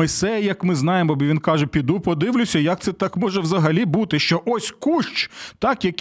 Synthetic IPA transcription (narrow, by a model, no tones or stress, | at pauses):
ɔjsɛjɐjɐkmɪznɑjemɔbʲiʋʲinkɑʒɛpʲid̪upɔd̪ɪʋlʲʊsʲɐjɐk̪̚sɛt̪ɑkmɔʒɛwzɐɦɐlʲibut̪ɪʃt͡ʃɔʔɔsʲkuʃt͡ʃt̪ɑkjɐk